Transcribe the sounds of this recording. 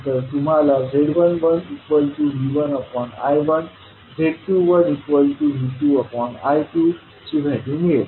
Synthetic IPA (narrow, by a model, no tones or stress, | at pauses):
t̪əɾt̪um̤alaɡʱeɽʋənʋənikʋəlʈuliʋənəpɔna̰jʋən | bʱeɽʈ̪uʋənikʋəlʈuɦit̪uəpɔna̰jʈ̪u | t͡ɕibʱeʈimie